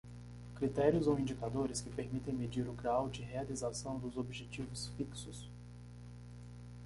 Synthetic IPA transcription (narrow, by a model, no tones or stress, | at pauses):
kɾit̪ɛɾjʊzowĩnd͡ʒikad̪oɾɪskɪpeɾmit̪ẽj̃med͡ʒiɾʊɡɾawd͡ʒɪɦealizasɐ̃w̃d̪ʊzobiʒet͡ʃivʊsfiksʊs